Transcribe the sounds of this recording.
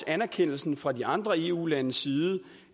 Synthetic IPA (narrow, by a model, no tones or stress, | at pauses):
ænæɐkʰen̰l̩sn̩fʁɑ̈diɑ̈nd̥ʁɐe̝ṵːlænəsiːð̩ˠə